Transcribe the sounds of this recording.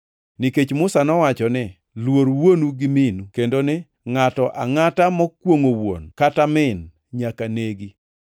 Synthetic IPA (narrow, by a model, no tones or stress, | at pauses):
niket͡ʃmʊsanɔwat͡ʃɔnɪ | lwoɾwonuɡɪminukendonɪ | ŋatɔʔa̰ŋatamɔkwoŋowo̰nkatamɪn | ɲakaneɡi